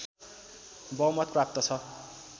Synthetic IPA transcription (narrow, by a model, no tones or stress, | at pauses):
bʌwmʌt̪̚prap̚t̪ʌt͡sʰʌ